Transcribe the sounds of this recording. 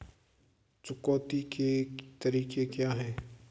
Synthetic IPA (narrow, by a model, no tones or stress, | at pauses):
t͡ʃʊkɔːt̪iket̪ɐɾiːkekjaːɦɛː